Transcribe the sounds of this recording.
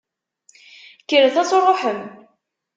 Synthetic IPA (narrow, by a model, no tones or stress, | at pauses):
kːəɾəθæsorˤːoħəm